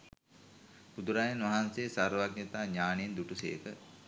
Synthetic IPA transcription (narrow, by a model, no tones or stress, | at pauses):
bud̪uɾajenʋaɦanseːsaɾʋaɡnet̪aːɲaːneend̪uʈusḛːkə